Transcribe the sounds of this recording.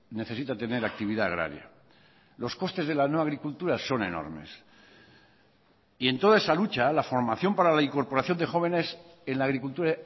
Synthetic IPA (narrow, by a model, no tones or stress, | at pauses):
ne̞θe̞sit̪at̪e̞ne̞ɾak̚t̪iβiðaːɣ̞ɾa̰ɾja̰ | lo̞sko̞st̪e̞zð̞e̞lanoaɣɾikult̪uɾaso̞ne̞̰no̞̰ɾme̞̰s | ient̪o̞ðaesalut͡ʃalafo̞ɾmaθjo̞mpaɾalaiŋko̞ɾpoɾaθjo̞nd̪e̞xo̞β̞e̞nes | e̞nlaːɣɾikult̪uɾa